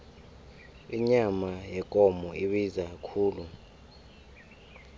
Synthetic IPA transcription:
iɲamajɛkʼɔmɔiɓizak̬akʰuːlu

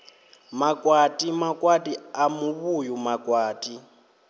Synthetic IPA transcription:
makʼwatʼimakʼwatʼiamuβujumakʼwaːtʼi

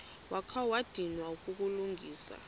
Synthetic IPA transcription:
wakʰawad̥ʱinwauk̬ʼuk̬ʼuluŋɡʱiːsa̰

